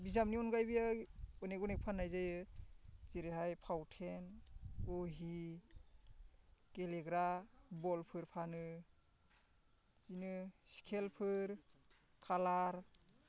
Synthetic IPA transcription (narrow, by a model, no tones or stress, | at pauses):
bizamniɔnɡajbijaɔneɡɔnek̚pʰanːajzajɯ | ziɾeɦajpʰawtʰenɔɦi | keleɡɾabɔlpʰɯɾpʰanɯ | zinɯsi̥kʰelpʰɯɾ | kʰalaɾ